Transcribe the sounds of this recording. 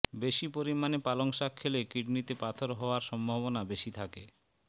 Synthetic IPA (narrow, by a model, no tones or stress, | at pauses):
beʃipoɾimanepaloŋʃakʰːelekiɖnit̪epat̪ʰoɾɦɔoaɾʃɔmbʱaβonabeʃit̪ʰake